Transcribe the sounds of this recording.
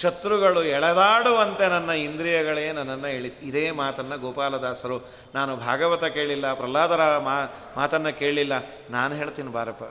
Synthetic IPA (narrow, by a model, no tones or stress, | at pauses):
ʃɐt̪ɾuɡɐɭuɛɭɛd̪aːɽuʋɐnt̪enɐnːɐind̪ɾijɐɡɐɭejenɐnːɐnːɐɦeːɭit̪id̪eːmaːt̪ɐnːɐɡɔːpaːlɐd̪aːsɐɾu | naːnubʱa̰ːɡɐʋɐt̪ɐke̞ːɭilːɐpɾɐlaːd̪ɐɾɐmaː | maːt̪ɐnːɐke̞ːɭɭilːɐ | naːnuɦe̞ːɭt̪iːnibʱaːɾɐpːɐ